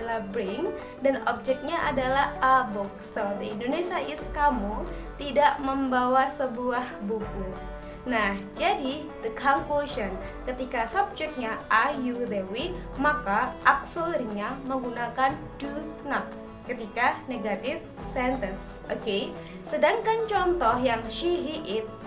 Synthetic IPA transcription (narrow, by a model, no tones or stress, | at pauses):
lahbɾɪŋ | danɔp̚d͡ʒɛk̚t̪̚ɲaʔadalahabɔksod̪əindonesiaʔɪskamu | t̪idaʔməmbawasəbuahbuku | nahd͡ʒadi | d̪əkʰaŋkoʃən | kət̪ikasɔb̚d͡ʒɛk̚t̪̚ɲaʔajud̪ewimakaʔːk̚solərɲaməŋɡunakan | dunɔt̪̚ | kət̪ikaneɡat̪ɪf | sɛnt̪əns | oke | sədaŋkant͡ʃɔnt̪ɔhjaŋʃiɦiʔɪt̪̚